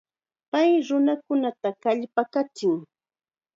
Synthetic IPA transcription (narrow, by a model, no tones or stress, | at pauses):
pajɾʊnakʊnat̪akaʎpakat͡ʃɪŋ